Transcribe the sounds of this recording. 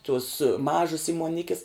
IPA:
tuɔs ˈmɑːʒɐs iːmuɔˈnʲɪkʲɪs

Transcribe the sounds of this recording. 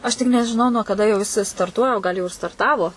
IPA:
ˈɐʃ tʲɪk nʲɛʒʲɪˈnɐʊ nuɔ kɐˈdɐ jɛʊ jɪˈsɐɪ stɐrˈtuɔjɛ ˈɡɐlˠ jɛʊ ɪr stɐrˈtɑːʋoː

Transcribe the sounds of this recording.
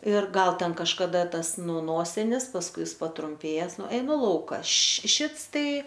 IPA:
ɪr ˈɡɐlˠ ˈtʲɛn kɐʃkɐˈdɐ ˈtɐs ˈnʊ ˈnoːsʲɪnʲɪs pɐsˈkʊɪ ˈjɪs pɐtrʊmʲˈpʲeːjɛs ˈnʊ ɛɪˈnʊ ˈlˠɐʊkɐ ˈɐʃ ˈʃʲɪts ˈtɐɪ

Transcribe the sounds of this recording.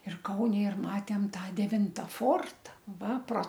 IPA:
ɪr ˈkɐʊnʲɛ ɪr ˈmɑːtʲeːm ˈtɑː dʲɛˈʋʲɪntɐ ˈfoːrtɐ ˈʋɐ proː

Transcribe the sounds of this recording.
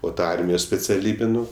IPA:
oː ˈtɐ ˈɐrʲmʲɪjoːs sʲpʲɛt͡sʲɛˈlʲiːbʲɪ ˈnʊ

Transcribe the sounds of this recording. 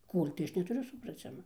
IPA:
ˈkoːlʲ tɐɪ ˈɐʃ nʲɛtʊˈrʲʊ sʊprɐˈt͡sʲɪmɐ

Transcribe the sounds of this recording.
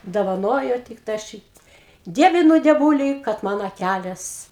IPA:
doːʋɐˈnoːjoː ˈtʲɪk tɑː ˈʃʲiːt ˈdʲiɛʋʲɪnʊ dʲiɛˈʋuːlʲiː kɐt ˈmɐn ɐˈkʲælʲeːs

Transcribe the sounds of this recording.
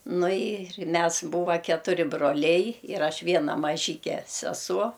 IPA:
ˈnʊ ɪr ˈmʲɛs ˈbuːʋɐ kʲɛtʊˈrʲɪ broːˈlʲɛɪ ɪr ˈɐʃ ˈʋʲiɛnɐ mɐˈʒʲiːkʲɛ sʲɛˈsuɔ

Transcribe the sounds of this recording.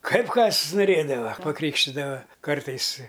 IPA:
ˈkɐɪp ˈkɐs nʊˈrʲeːdɐʋɐ pɐˈkrʲiːkʃʲtʲɪdɐʋɐ ˈkɐrtɐɪs ɪ

